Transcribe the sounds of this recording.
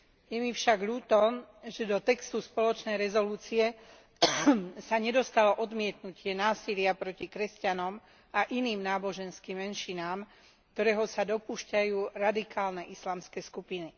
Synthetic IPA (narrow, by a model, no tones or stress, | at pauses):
jɛmifʃaɡʎuːt̪ɔʒɛd̪ɔt̪ɛkst̪uspɔlɔt͡ʃnɛjɾɛzɔluːt͡siɛ | saɲɛd̪ɔst̪alɔʔɔd̪mɪɛt̪nucɪɛnaːsilɪapɾɔcikɾɛscanɔm | ʔaʔiniːmnaːbɔʒɛnskimːɛnʃinaːm | kt̪ɔɾɛːɦɔsad̪ɔpuːʃcajuːɾad̪ikʰaːlnɛʔislaːmskɛːskupini